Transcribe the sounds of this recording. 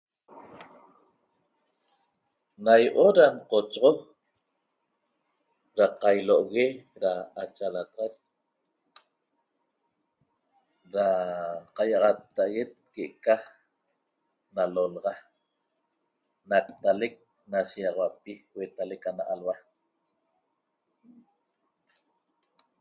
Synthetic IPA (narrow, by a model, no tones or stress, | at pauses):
najʔoɾaɴqot͡ʃʁo | ɾaqajloʔoɣeɾaat͡ʃalat̪ʁat̪̚ | ɾaqajɑʁɑt̪ːaʔaɣe̞t̪̚keʔka | nalolʁɑ | nak̚t̪alek̚ | nasiɑʁɑwapiwet̪alekanaʔalwa